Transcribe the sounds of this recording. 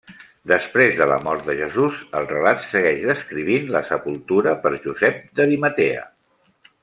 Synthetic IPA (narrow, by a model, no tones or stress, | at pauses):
d̪əspɾezðələ̰mɔrt̪̚d̪əʒəzuzəlˠrəlat̪səɣɛʒðəskɾiβ̞inləsəpulˠt̪uɾəpəɾʒuzɛp̚d̪əðimət̪eə̰